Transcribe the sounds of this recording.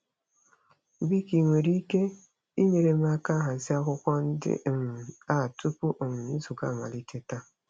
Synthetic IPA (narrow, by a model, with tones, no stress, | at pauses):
bi˦ki˨ŋʷe˨ɾi˦ke˦ | i˦me˨ɾe˨m˦a˦ka˦ɦa˨zi˦a˦kʷʊ˦kʷɔ˦n̩˦dɪ̰˦m̩˨a˦˨tu˦pu˦ʔm̩˨i˦zu˨ɡa˦˨ma̰˨li˦t͡ʃe˦ta˦